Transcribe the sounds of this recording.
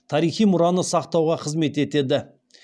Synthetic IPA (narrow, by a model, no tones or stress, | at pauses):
t̪ʰɑɾijχijmʊɾɑnəsɑqt̪ɑwʁɑqʰəzme̞t̪e̞t̪e̞d̪ɪ